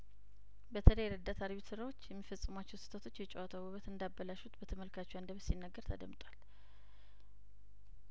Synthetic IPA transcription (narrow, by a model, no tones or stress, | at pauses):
bət̪ʰələjɛɾəd̪ːat̪ʰaɾβisɨɾawo̞t͡ʃːjɛmːifəsʼːɨmat͡ʃːɛwsɨ̥t̪ʰət̪ʰo̞t͡ʃːjɛt͡ʃʼɛwat̪ʰawəβət̪ɨnd̪abːəlaʃut̪bət̪ʰəməlkʰat͡ʃːɛwand̪əβsinːəɡːəɾt̪ʰə̰d̪əmt̪ʼwal